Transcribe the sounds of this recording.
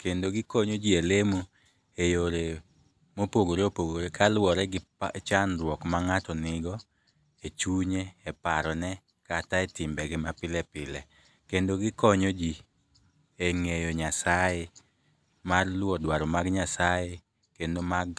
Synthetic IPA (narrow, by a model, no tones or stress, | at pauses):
kendoɡɪkɔɲod͡ʒielemo | ejoɾe | mopoɡoɾeopoɡoɾekʰalwɔɾɛɡɪ | t͡ʃanɾwɔkmaŋatɔnɪɡɔ | et͡ʃuɲeɛpaɾɔnɛ | kataɛtɪmbɛɡɪmapɪlɛpɪlɛ | kendoɡɪkɔɲod͡ʒi | eŋejoɲasaje | marlwɔdwaɾɔmaɡɲasaje | kendomaɡ